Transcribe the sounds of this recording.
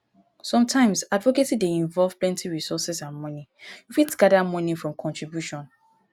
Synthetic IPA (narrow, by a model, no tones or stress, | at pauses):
sɔ̃mtʰãɪ̃msadvokesideĩɱvɔlv̥plɛ̃ntʰiɹisɔsɛsãnmɔnijufitɡadamɔ̃nifɹɔ̃mkʰɔ̃ntɹibjuʃɔ̃n